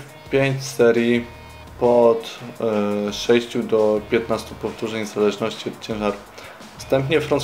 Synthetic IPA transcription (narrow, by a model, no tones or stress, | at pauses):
pʲjeɲt͡ɕsɛɾʲji | pɔt̪ | ʂɛjɕt͡ɕud̪ɔpʲjɛt̪nast̪upɔft̪uʐɘjɲɛzalɛʐnɔɕt͡ɕiɔt̪̚t͡ɕɛ̃w̃ʐaɾu | fst̪ɛmpɲɛfɾans